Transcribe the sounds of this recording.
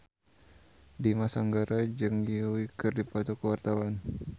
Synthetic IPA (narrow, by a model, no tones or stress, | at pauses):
dimasaŋɡaɾad͡ʒɨŋiwikɨrdipɔt̪ɔkəwart̪awan